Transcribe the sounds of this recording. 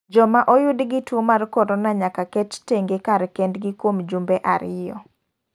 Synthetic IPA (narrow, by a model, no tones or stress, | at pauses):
d͡ʒɔmaʔojʊdɡitwomarkɔɾonaɲakakɛtteŋɡekaɾkɛndɡikwomd͡ʒumbeʔaɾɪjɔ